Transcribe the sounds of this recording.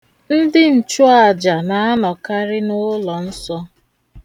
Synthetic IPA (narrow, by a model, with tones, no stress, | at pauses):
n̩˦dɪ˦n̩˨t͡ʃu˦a˨d͡ʒa˨na˨a˦nɔ˨ka˦ɾɪ˦nʊ˦lɔ˨n̩˦sɔ˦